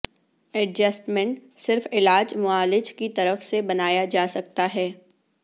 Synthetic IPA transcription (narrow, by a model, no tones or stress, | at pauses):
ɛɖd͡ʒəsʈmɛ̃ɳʈsɪɾfɪlaːd͡ʒmʊaːlɪd͡ʒkit̪ɐɾəfsebɐnaːjad͡ʒaːsɐk̚t̪aɦɛː